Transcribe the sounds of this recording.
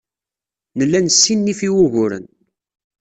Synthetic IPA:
nəlːænsːinːifiwʊʝʊɾə̰n

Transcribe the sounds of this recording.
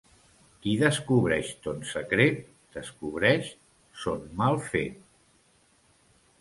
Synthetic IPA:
kiðəskuβ̞ɾɛʃt̪onsəkɾet̪̚ | d̪̥əskuβɾɛʃ | sonmalˠfḛt̪̚

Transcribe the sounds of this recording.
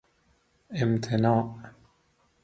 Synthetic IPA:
ʔɪmt̪ʰɪnaːʔ

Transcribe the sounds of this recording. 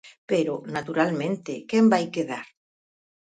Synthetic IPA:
peɾʊnat̪uɾalmẽnt̪ɪkɛmbajkeðaɾ

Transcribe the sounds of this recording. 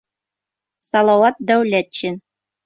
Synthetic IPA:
sɑlˠɑwɑt̪̚d̪æwlæt̪̚ɕɘn

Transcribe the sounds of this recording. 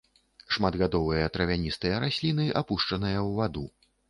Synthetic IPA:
ʂmad̪ɣad̪ɔvɨjɐt̪ɾɐvʲanʲist̪ɨjɐɾasʲlʲinɨʔapuʂt͡ʂɐnɨjɐwvad̪u

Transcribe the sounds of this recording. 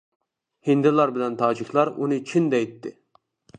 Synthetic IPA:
hind̪ɪlˠɑɾbɪlɛnt̪ʰɑːd͡ʒikʲʰlˠɑɾunɨt͡ʃʰind̪ɛjt̪ʰːɪ

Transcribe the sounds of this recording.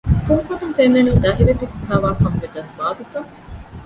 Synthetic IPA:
t̪uŋkot̪uŋfenːɐniːd̪ɐɦilet̪ekufaːʋaːkɐmɡeɖɐsbaːd̪ut̪ɐ

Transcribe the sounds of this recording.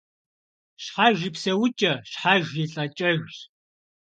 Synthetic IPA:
ɕħaʒipsɐwʊt͡ʃʼɐɕħaʒʷiɬʼɐt͡ʃʼɐʒʷ

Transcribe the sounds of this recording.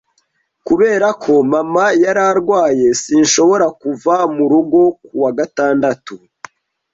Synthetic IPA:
kuβe̞ːɾakʰo̞mamajaɾaɾɡwaːje̞siːnʃo̞βo̞ɾakuvamuɾuɡo̞kuwaɡataːndatu

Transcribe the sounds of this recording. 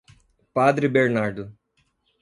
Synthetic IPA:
pad̪ɾibeɾnaɾd̪ʊ

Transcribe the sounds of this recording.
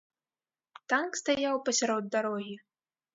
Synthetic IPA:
t̪ankst̪ajawpɐsʲaɾɔd̪ːaɾɔɣʲi

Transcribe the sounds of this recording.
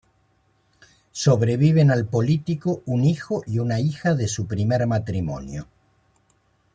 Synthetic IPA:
so̞βɾe̞β̞iβ̞enalpo̞lit̪ikounixoʔiunaixaðe̞supɾimeɾmat̪ɾimo̰njo

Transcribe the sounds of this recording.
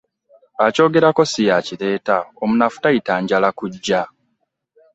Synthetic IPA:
aco̞ːɡe̞ɾako̞sijaciɾe̞ːtaomunafu̥taitaːɲɟalakuɟːa

